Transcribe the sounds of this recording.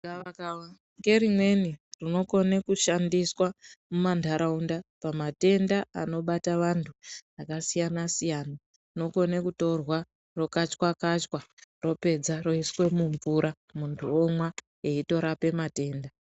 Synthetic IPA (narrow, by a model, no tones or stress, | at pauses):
kaakawa | ŋɡe̞rimwe̞nirino̞ko̞ne̞kuʃandiswamumandʱaɾaundapamate̞ndaano̞ɓataʋantʰuakasijanasijana | rino̞ko̞nekuto̞rwa | ro̞kat͡ʃkwakat͡ʃkwaro̞pe̞d͡zaro̞iswe̞muɱvuɾʔa | muntʰuomwa | e̞ito̞ɾape̞mate̞ːnda